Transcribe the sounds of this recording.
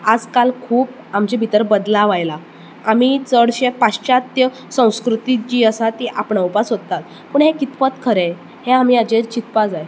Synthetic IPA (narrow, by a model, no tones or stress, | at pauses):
ad͡zkalkʰuːp | amt͡ɕebʱit̪əɾbəd̪laʋajla | amit͡səɽɕepat͡st͡ɕat̪jə | sə̃w̃skɾut̪it͡ɕiːəsat̪iʔapɳaupasɦot̪ːat̪ | pəɳɦekit̪pət̪kʰəɾe | heamiːad͡ʑet͡ɕit̪pad͡zaje